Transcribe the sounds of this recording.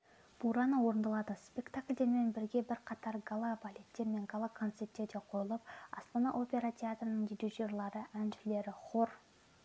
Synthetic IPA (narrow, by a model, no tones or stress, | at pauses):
b̥uɾɑnəwo̞ɾənd̪ɑlˠɑd̪əspʲe̞kt̪akʲlʲd̪e̞ɾme̞nbɪɾɡʲe̞bɪɾqʰɑt̪ɑɾɡalˠabalʲe̞t̪ːe̞ɾme̞ŋɡalˠakʰo̞nt̪se̞pt̪ːe̞ɾd̪e̞qʰo̞jəlˠəpɑ̰st̪ɑnɑʔo̞pʲe̞ɾat̪ʲʰeat̪rənəŋd̪idiʒorlˠɑɾəʔænʃɪle̞ɾɪχʰo̞ɾ